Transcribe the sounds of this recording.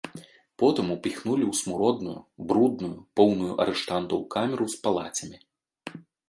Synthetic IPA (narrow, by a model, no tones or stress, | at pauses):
pɔt̪ɨmupʲixnulʲiwsmuɾɔd̪̚nṵjṵbɾud̪nujupɔwnujuʔɐɾɛʂt̪ant̪ɐwkamʲɛɾuwspalˠa̰t͡sʲɐmʲi